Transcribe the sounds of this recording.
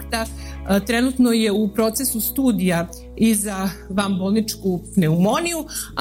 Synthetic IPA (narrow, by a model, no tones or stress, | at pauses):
t̪at̪ɾenut̪no̞je̞upɾo̞ːt̪sesust̪uːd̪ija | izaʋambolˠnit͡ʃkupne̞umo̞niju